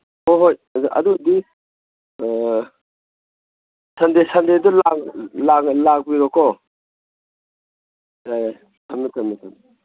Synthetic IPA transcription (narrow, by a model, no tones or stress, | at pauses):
oɦojɐ̰dudi | sɐndesandedɔlaklaklak̚biɾɔkʰɔ | ajaj | tʰɐmitʰɐmːitʰɐmi